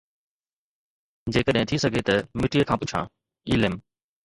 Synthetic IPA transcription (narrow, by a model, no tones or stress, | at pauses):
d͡ʑeːkəɗɦɪ̃t̪ʰisɐɡʱet̪ɐmɪʈiekʰãːpʊt͡ɕʰã̰ː | iːlɪm